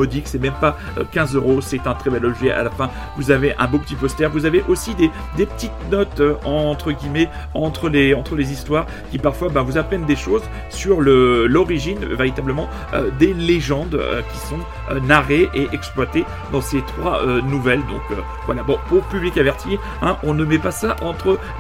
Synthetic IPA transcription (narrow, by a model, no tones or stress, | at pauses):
ɔd̪iksɛmɛmpa | ø̰kʲɛ̃zøʁosɛt̪ɛ̃t̪χɛbɛlɔbʒɛʔa̰lafɛ̃ | vuzaveʔɛ̰̃bopə̥t̪ipɔst̪ɛʁvuzaveʔosid̪e | d̪epə̥t̪it̪nɔt̪øɑ̃t̪χəɡʲimɛ | ɑ̃t̪χəleɑ̃t̪χəlezist̪waʁ | kʲipaʁfwabɛ̃vuzapχɛnd̪eʃoz | syʁləlɔʁiʒinveʁit̪abləmɑ̃ | ø̰d̪eleʒɑ̃d̪ø̰kʲi̥sɔ̃ | ønaʁeʔeʔɛksplwat̪e | d̪ɑ̃set̪χwaønuvɛld̪ɔ̃kø | vwalabɔ̃puʁpyblikavɛʁt̪ʰi | ɛ̃ʔɔ̃nəmɛpasaʔɑ̃t̪χə